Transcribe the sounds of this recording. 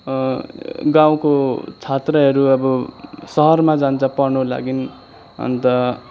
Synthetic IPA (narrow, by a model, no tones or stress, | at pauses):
ɡaw̃kot͡sʰat̪rʌɦʌɾuʌbʌsʌɦʌrmad͡zant͡sʰʌpʌnola̰ɡin | ʌ̰nt̪ʌ